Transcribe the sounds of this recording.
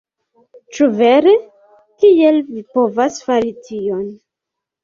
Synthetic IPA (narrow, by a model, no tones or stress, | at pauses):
t͡ʃuve̞ɾe | kie̞lvipo̞vasfaɾitʰio̞n